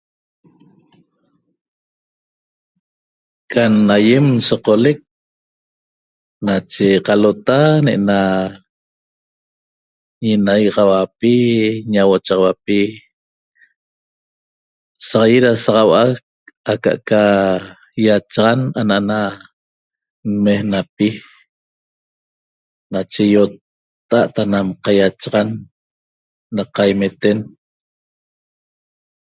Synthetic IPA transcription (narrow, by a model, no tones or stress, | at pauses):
kʰʼanajemsoqolek̚ | nat͡ʃeqalot̪aneʔena | ɲinajʁɑwapiɲawot͡ʃɑʁɑwapi | sɑʁajeɾasɑʁɑwʔak | aka̰ʔka | jat͡ʃʁananaʔana | mmehnapi | nat͡ʃe̞jot̪ː | aʔt̪anamqajat͡ʃʁan | aqajmet̪en